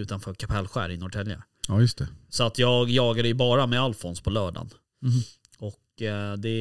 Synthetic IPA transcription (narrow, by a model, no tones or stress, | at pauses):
ʉ̟ːt̪anfœːɾkʰapʰɛlːɧæ̰ːɾɪnɔʈʰɛlja̰ | ɑːjɵst̪ʰɛsɔat̪ʰjɑːɡjɑːɡad̪ɛjɵbɑːɾamɛalfɔnspʰɔlœːɖa̰n | ɔkd̪ɛ